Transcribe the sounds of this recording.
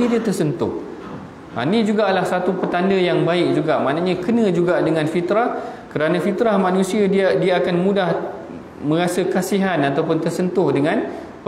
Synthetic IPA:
idiət̪ərsənt̪ʊh | ʔa̰nĩd͡ʒuɡaʔlahsat̪upət̪andəjaŋbaɪk̚d͡ʒuɡaʔmaʔnãɲãkənə̃d͡ʒuɡaʔdəŋãnfit̪ɾahkəɾanãfit̪ɾahmãnũsiaddiaakanmũdah | mə̃ɾasəkasiɦanat̪awpʊnt̪ərsənt̪ʊhdəŋãn

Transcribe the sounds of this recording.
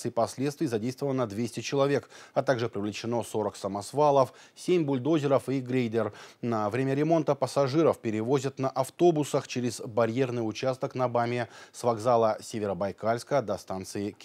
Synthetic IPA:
sɨɪpɐsʲlʲet̪st̪vʲijzɐdʲejst̪vəvəlˠnəd̪vʲesʲtʲɪt͡ɕɪlˠɐvʲe̞kɐt̪aɡʐɨpɾʲɪvlʲɪt͡ɕɪno̞so̞ɾəksəmɐsvalˠəfsʲemʲbʊlʲd̪o̞zʲɪɾəfiɡɾʲejd̪ʲɪrnɐvɾʲemʲəɾʲɪmo̞nt̪əpəsɐʐɨɾəfpʲɪɾʲɪvozʲət̪nəʔɐft̪o̞bʊsəxt͡ɕeɾʲɪzbɐɾʲje̞rnɨjʊt͡ɕast̪əknɐbamʲɪsvɐɡzalˠəsʲevʲɪɾəbɐjkalʲskəd̪ɐst̪ant̪sɨɪkʲ

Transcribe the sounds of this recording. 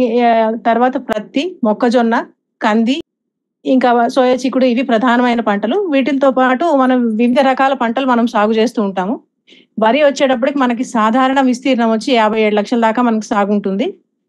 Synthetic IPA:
t̪ɐɾʋaːt̪ɐpɾɐt̪imɔkːɐd͡ʒonːɐ | kɐnd̪iː | ŋkaːsɔːjɐt͡ʃikːuɽuiʋipɾɐd̪ʱaːnɐmɐjnɐpɐɳʈɐluʋiːʈ̬ilɐt̪oːpaːʈumɐnɐmʋiʋid̪ʱɐɾɐkaːlɐpɐɳʈɐlumɐnɐmsaːɡut͡ʃe̞ːst̪uːɳʈaːmu | bɐɾiʋɐt͡ʃːeːʈɐp̬ːuɽikimɐnɐk̬isaːd̪ʱaːɾɐɳɐmʋist̪iːɾɐnɐmʋɐt͡ʃːiaːbʱɐje̞ːɽulɐkʂɐlɐd̪aːkaːmɐnɐk̬i̥saːɡuɳʈund̪i

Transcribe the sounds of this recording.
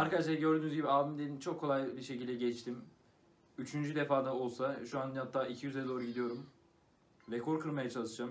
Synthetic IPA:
aɾkad̪aʃlˠaɾɟø̞ɾd̪yːnyzɟibiaːbimd̪enint͡ʃʰo̞kʰːo̞lˠajbiʃe̞cilʲd̪ɛɟɛt͡ʃt̪ʰim | yt͡ʃʰynd͡ʒyd̪efaːd̪ao̞lˠsaʃuanhat̪ʰːaːʔicʰijyzd̪ɛd̪o̞ːɾuɟid̪ijo̞ɾum | vɛkʰo̞ɾkʰɯɾmajat͡ʃʰalˠɯʃd͡ʒam

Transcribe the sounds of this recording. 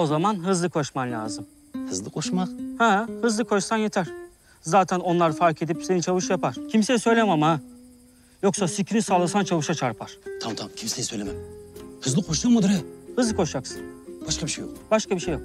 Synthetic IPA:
o̞zamanɦɯzlˠɯkʰo̞ʃmamlʲa̰ːzɯm | hɯzlˠɯqʰo̞ʃmaqhɛhɯzlˠɯkʰo̞ʃsanjet̪ʰæɾ̥ | zaːt̪ʰɛno̞nlˠaɾfaɾkʰe̞d̪ipsejint͡ʃʰavɯʃjapaɾ̥cʰimseɛsø̞jlʲemama | jo̞ksasicɾisaːlˠɯsant͡ʃʰavɯʃat͡ʃʰaɾpʰaɾ̥t̪ʰamt̪ʰakʲʰimsesølʲememhɯzlˠɯqʰoʃd̪amad̪ɾɛhɯzlˠɯkʰo̞ʃjaksɯnb̥aʃqʰabiʃejo̰qbaʃkabiʃejok

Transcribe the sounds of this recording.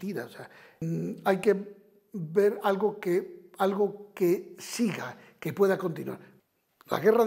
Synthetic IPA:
t̪iða̰osea | ajke̞ | be̞ɾalɣokealɣo̞kesiɣa | ke̞pwe̞ðako̞nt̪inwa̰ɾ | la̰ɣerað

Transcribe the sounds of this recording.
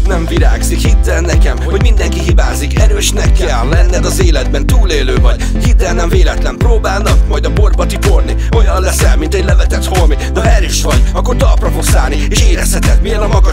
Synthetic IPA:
nɛɱviɾaːɡzikhit̪ːɛnːɛkɛmhoho̞ɟmind̪ɛŋkiɦibaːzikɛɾøːʃnɛkːɛlːɛnːɛd̪ɒzeːlɛd̪̚bɛnt̪uːleːløːvɒɟ | hit̪ːɛlnɛɱveːlɛt̪lɛmproːbaːlnɒk̚mɒjd̪ɒpo̞rbɒt̪ipo̞rni | o̞jɒnlɛsɛlmint̪ɛɟʲlɛvɛt̪ɛt̪ho̞lmid̪ɒɛɾiʃʋɒɟɒkːo̞rt̪ɒlprɒfo̞ksaːlnieːʃeːɾɛshɛt̪ɛt̪miɛnɒmɒɡɒ

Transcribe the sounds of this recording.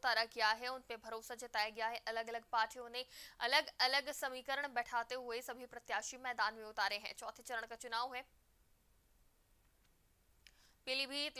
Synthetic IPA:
t̪aːɾakijaɦɛʊnpẽbʱɐɾoːsad͡ʑet̪aːjaɡijaɦɛʔɐləɡɐləɡ̚paːʈʰijõnẽɐləɡɐləɡsɐmiːkəɾəɽ̃bɛːʈʰaːt̪eɦʊesɐbʱipɾɐt̪jaːʃimɛːd̪aːnmẽʊt̪aːɾeɦɛ̰̃ːt͡ɕɔːt̪ʰet͡ʃɐɾəɽ̃kat͡ʃʊnaːʋoɦɛ̃ː | pɪlibʱi

